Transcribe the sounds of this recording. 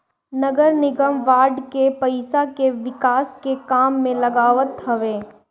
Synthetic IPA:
nɐɡəɾnɪɡəmʋaːɾɖkepɐɪsakeʋɪkaːskekaːmːẽlɐɡaːʋət̪ɦɐʋeː

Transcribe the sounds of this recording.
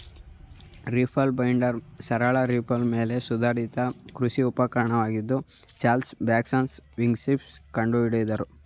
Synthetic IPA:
ɾipʰɐlbɐjɳɖɐɾsɐɾɐɭɐɾipʰɐlme̞ːle̞sud̪ʱaːɾit̪ɐkɾusiupɐkɐɾɐɳɐʋaːɡid̪ːu | t͡ʃaːlsbaːksɐːnsʋiŋɡsipskɐɳɖuiɽud̪ɐɾu

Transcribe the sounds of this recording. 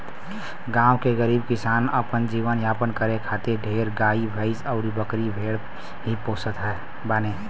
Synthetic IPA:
ɡãːwkeɡəɾiːbkɪsaːnəpənd͡ʒiːʋənjaːpənkəɾekʰaːt̪eɖʱeːɾɡaːibʱəɪsəʊɾibəkɾibʱeːɽ | ɦipoːsət̪ɦɛː | baneː

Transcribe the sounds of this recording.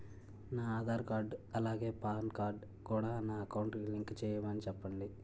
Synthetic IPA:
naːaːd̪ʱaːɾkaːɾɖɐlaːɡe̞ːpaːnkaːɾɖ | kuːɽaːnaːɐkɐwɳʈiliŋkt͡ʃɛːjɐmɐnit͡ʃɛpːɐɳɖi

